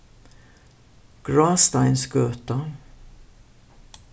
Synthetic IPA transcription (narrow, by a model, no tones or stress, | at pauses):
ɡ̥ɹɑːst̪aɪnsɡøːt̪ə